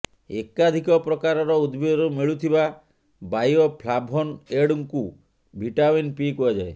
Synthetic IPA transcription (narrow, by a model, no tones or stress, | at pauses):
ekad̪ʱikɔpɾɔkaɾɔɾɔud̪bʱid̪ɔɾumiɭut̪ʰiba | bajɔpʰlabʱɔneɽuŋku | bʱiʈaminpikuad͡ʒae